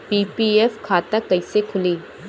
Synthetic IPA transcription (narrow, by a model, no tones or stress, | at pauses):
piːpiefkʰaːt̪akɐisekʰʊliː